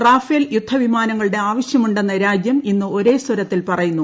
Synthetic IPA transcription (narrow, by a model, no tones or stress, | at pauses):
raːfeːljud̪ʱːɐʋimaːnɐŋːɐɭɨɽe̞aːʋɐɕjɐmuɳɖe̞nːɐɾaːd͡ʑjɐminːɨo̞ɾe̞ːswɐɾɐt̪ːilpɐrɐjunːu